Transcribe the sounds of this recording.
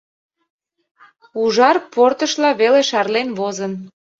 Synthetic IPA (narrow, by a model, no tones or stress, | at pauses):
uʒɑrport̪əʃlɑβeleʃɑrlenβozən